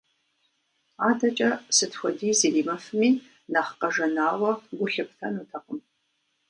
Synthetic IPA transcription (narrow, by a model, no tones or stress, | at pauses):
aːdɐt͡ʃʼɐsɨtxʷɔdiːzeːriːmɐfɨmiː | naχqɐʐɐnaːwɐɡʷʊɬɨp̚tʰɐnuːtʰɐqʼʊm